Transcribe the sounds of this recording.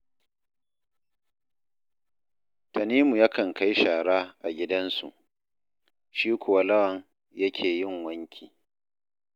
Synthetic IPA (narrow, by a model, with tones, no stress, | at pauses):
tɐ˨niː˦mu˨jɐ˦kɐ˨ŋka˦jʃaː˨ɽaː˦ʔa˨ɡʲɪ˦dɐ˦nsṵ˨ʔ | ʃiː˦kʷʊ˨wa˦lɐ˦wɐ˨ŋ | jɐ˦kʲʰeː˨jɪ˦˨ŋwɐ˦ŋkʲʰiː˨